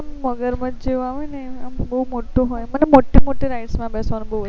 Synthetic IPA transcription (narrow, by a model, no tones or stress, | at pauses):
mːəɡəɾmãd͡ʒd͡ʒeʋaʋineambəɦumoʈoɦojmənemoʈimoʈeɾaiʈsmãbɛsʋanõbəɦuʋə